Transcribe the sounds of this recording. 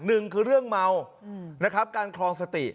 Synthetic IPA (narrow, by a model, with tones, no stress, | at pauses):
nɯ˨˩ŋkʰɯː˧ɾɯ˥˩əŋma˧w | na˦˥kʰa˦˥p̚kaː˧nkʰɾɔː˧ŋsa˧t̪i˨˩